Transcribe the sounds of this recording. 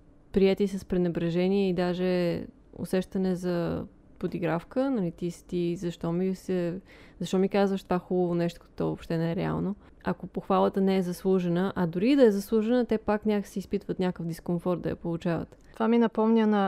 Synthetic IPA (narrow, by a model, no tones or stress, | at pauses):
pɾiɛt̪isəspɾɛnɛbɾɛʒɛniɛid̪aʒɛ | ʊ̰sɛʃt̪ɐnɛzɐ | pod̪iɡɾafkənɐlit̪ist̪izɐʃt̪ɔmisɛ | zɐʃt̪ɔmikazvəʃt̪vaxubəvonɛʃt̪o̥kt̪t̪ɔvopʃt̪ɛnɛɛɾɛa̰lˠno | ɐkopoxvalˠət̪ənɛːzɐslˠuʒɛnəʔɐd̪ʊɾid̪ɐɛzɐslˠuʒɛnət̪ɛpaknʲaksiːspit̪vət̪nʲakəfd̪iskonfɔɾt̪d̪ɐ̰jɐ̰polˠut͡ʃavə̰t̪ | t̪vaminɐpɔmnʲənɐ